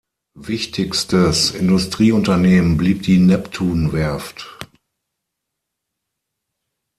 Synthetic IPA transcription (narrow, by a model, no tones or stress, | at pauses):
vɪçtʰɪçstəsɪndʊstʁ̥iːʊntɐneːmənbliːp̚d̥iːnɛptʰuːnvɛɐft